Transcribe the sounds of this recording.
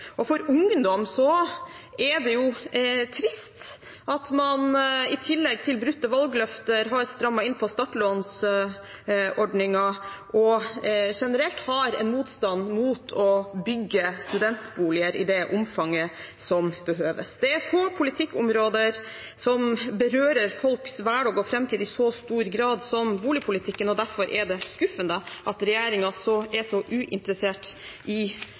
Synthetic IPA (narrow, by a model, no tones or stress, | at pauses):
ʔɔfɔɾʊŋnd̪ɔmsɔ | ɛd̪ɛjʊt̪ʰɾɪst̪ | ʔɑt̪mɑnɪt̪ʰɪlːɛɡ̚t̪ʰɪlbɾʉt̪ːəʋɑlɡlœft̪əɾɦɑɾst̪ɾɑmːɑɪnːpʰɔst̪ɑʈloːns | ʔɔɖnɪŋɑʔɔʂɛnəɾɛlt̪hɑɾɛ̰nmuːt̪st̪ɑnmuːt̪ʰɔbʏɡːəst̪ʉd̪ɛnt̪buːlɪəɾɪ̰d̪ɛʔʊmfɑŋːə | sɔmbəɦøːʋə̰sd̪ɛfoːɾpʰʊlɪt̪ʰɪkːʊmɾoːd̪əɾ | sɔmbəɾøːɾəɾfɔlksʋæɖɑːɡɔfɾɛmt̪ʰiːd̪ɪsɔst̪uːɾɡɾɑːd̪sɔmbuːlɪəpʰʊlɪt̪ʰɪkːənɔd̪æɾfɔɾʔɛɖɛskʉfənd̪əʔɑt̪ɾɛjeːɾɪŋɑsɔɛsɔʔʉːʔɪ̰nt̪əɾəseːʈʔɪ